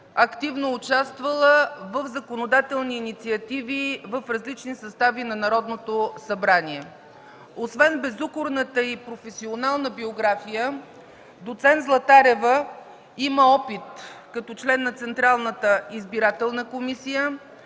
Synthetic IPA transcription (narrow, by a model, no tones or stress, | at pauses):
ɐkt̪ivnoːt͡ʃast̪vəlˠəvəvzɐkonod̪at̪ɛlˠniːnit̪siɐt̪ivivəfɾɐzlit͡ʃnisɐst̪avinɐnɐɾɔd̪not̪osɐbɾaniɛ | osvɛnbɛzukʊɾnət̪əipɾofɛsionalˠnəbioɡɾafijə | d̪ot̪sɛnt̪zlˠɐt̪aɾɛvə | iməɔpit̪kɐt̪ɔt͡ʃlɛnːɐt̪sɛnt̪ɾalˠnət̪əizbiɾat̪ɛlˠnəkomisijə